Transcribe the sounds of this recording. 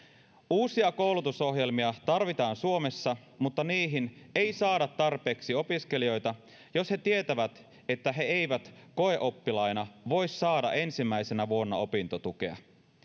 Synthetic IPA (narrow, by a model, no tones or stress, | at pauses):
uːsiɑko̞wlut̪uso̞ɦje̞lmiɑt̪ɑrʋit̪ɑːnsuome̞sːɑ | mut̪ːɑniːɦinejsɑːdɑt̪ːɑrpe̞ːksio̞piske̞lio̞jt̪ɑ | jo̞she̞t̪iet̪æʋæt̪ | e̞t̪ːæɦe̞ejʋæt̪ko̞e̞ʔo̞pːilɑjnɑʋo̞jsːɑːdɑ̰ʔe̞nsimːæjse̞næʋuo̞nːɑo̞pint̪ot̪uk̟e̞̰ɑ̰